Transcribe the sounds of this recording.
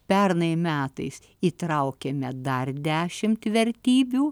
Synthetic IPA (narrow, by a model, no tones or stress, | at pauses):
pʲɛrnɐɪmʲæːt̪ɐɪs | it̪ɾɐʊkʲɛmʲɛd̪ɐrd̪ʲæːʃʲɪmt̪ʋʲɛɾʲt̪ʲiːbʲuː